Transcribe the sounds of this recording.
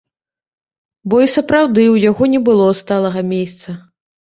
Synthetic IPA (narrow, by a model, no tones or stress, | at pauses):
bɔisɐpɾawd̪ɨwjaɣɔnʲɛbɨlˠɔst̪alˠɐɣɐmʲest̪sɐ